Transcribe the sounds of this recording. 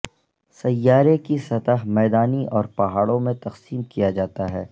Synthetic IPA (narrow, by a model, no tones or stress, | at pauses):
sɐjːaːɾekisɐt̪əɦmɛːd̪aːniʔɔːɾpɐɦaːɽõmẽt̪ɐqsiːmkijad͡ʒaːt̪aɦɛː